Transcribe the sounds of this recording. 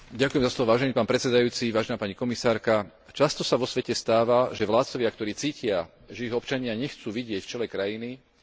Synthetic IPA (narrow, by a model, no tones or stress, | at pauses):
ɟakujɛmzaslɔʋɔʋaːʒɛniːpaːnpɾɛt̪sɛd̪ajuːt͡siʋaːʒɛnaːpaɲikɔmisaːɾka | t͡ʃast̪ɔsaʋɔsʋɛcɛst̪aːʋaʒɛʋlaːt̪t͡sɔʋɪakt̪ɔɾiːt͡siːcɪa | ʒɛiɦɔpt͡ʃaɲɪaɲɛxt͡suːʋiɟɪɛcft͡ʃɛlɛkɾajini